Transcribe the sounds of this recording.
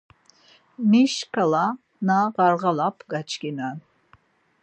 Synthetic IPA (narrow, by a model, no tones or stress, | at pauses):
miʃkʰala | naʁɑɾʁalapʰɡat͡ʃʰkʲinan